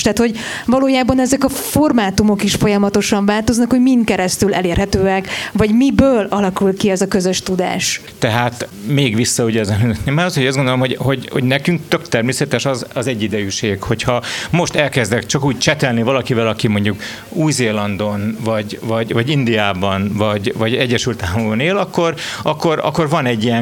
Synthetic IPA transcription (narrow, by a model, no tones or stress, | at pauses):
ʃt̪aːt̪ho̞ɟ | vɒloːjaːbɒnɛzɛkɒfo̞rmaːt̪umo̞kiʃfo̞jɒmɒt̪o̞ʃɒɱvaːlt̪o̞znɒkho̞ɟmint̪kɛɾɛst̪ylʔɛleːrhɛt̪øːɛkvɒɟmibøːlɒlɒkulkiɛzɒkøzøʃt̪ud̪a̰ːʃ | t̪ɛɦaːt̪meːɡʋisːɒuɟɛzɛlinɛt̪nemaːɾɒshoɟɒzɡo̞nd̪olomɦoɟho̞ɟho̰ɟnɛkyŋkt̪økt̪ɛrmeːsɛt̪ɛʃɒzɒzɛɟːid̪ɛjyʃeːkho̞chɒmo̞ʃt̪ɛlkɛzd̪ɛkt͡ʃɒkuːc̚t͡ʃɛt̪ɛlnivɒlɒkivɛlɒkimo̞ɲɟuk | uːjzeːlɒnd̪o̞nvɒɟvɒɟvɒɟind̪ijaːbɒnvɒɟvɒɟɛɟːɛʃylt̪aːlmobɒneːlɒkːo̞rɒkːo̞ɾɒ̰kːo̞rvɒnɛɟːijɛn